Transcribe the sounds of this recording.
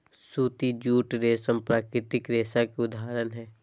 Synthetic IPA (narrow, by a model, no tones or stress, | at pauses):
suːt̪id͡ʒuːʈɾeːsəmpɾaːkɾɪt̪ɪkɾeːsakeʊd̪ʱaːɾənɦɛː